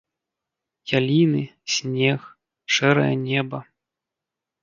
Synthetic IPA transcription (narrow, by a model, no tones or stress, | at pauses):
jalʲinɨsʲnʲɛx | ʂɛɾɐ̰jɐ̰nʲɛbɐ